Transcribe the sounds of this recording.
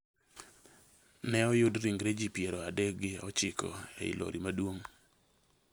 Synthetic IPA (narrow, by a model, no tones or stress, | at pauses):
nɛɔjʊdɾiŋɡɾed͡ʒipjeɾɔadɛk̚ɡɪɔt͡ʃɪkɔ̰ḛḭlʔo̰ɾʔimadwoŋ